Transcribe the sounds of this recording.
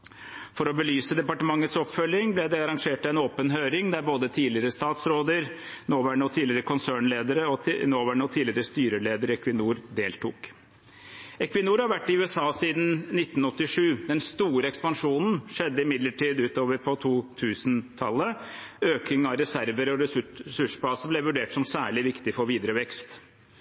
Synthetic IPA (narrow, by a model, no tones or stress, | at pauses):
fɔɾɔbəlyːsəd̪ɛpɑʈəmɑŋːət̪sɔpfœljɪŋblɛd̪ɛɑɾɑŋʂeːʈɑɛnoːpənɦøːɾɪŋd̪æɾboːd̪ət̪ʰiːlɪəɾəst̪ɑːt̪sɾoːd̪əɾnoːʋæɳəɔt̪ʰiːlɪəɾəkʰʊnsæːɳleːd̪əɾəɔnoːʋæɳəɔt̪ʰiːlɪəɾəst̪yːɾəleːd̪əɾɛkʋɪnuːɾd̪eːlt̪ʰuːk | ɛkʋɪnuːɾhɑɾʋæʈːɪʉːɛsɑːsiːd̪n̩nɪt̪ːnɔt̪ːɪʂʉːd̪ɛnst̪uːɾəɛkspɑnʂuːnn̩ʂɛd̪ːəɪmɪd̪ləʈʰiːd̪ʉːt̪oːʋəɾpʰɔt̪ʰuːt̪ʰʉːsnt̪ʰɑ̰lːəøːkɪŋɑɾɛsæɾʋəɾɔɾɛsʉʂbɑːsəblɛʋʉɖeːʈsɔmsæːɭɪʋɪkt̪ɪfɔɾʋiːd̪ɾəʋɛkst̪